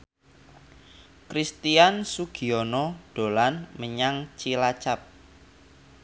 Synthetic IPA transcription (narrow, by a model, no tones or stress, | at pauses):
kɾist̪iansuɡ̥i̤ɔnɔɖ̥o̤lanməɲaŋt͡ʃilat͡ʃap̚